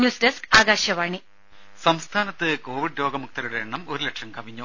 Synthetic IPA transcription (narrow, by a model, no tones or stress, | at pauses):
juːsdeskaːɡaːɕɐʋaːɳi | sɐmst̪ʰaːnɐt̪ːɨko̞ːʋiɖloːɡɐmuk̚t̪ɐɾuɽeːɳːɐmo̞ɾule̞ʈʂɐmkɐʋiɲːu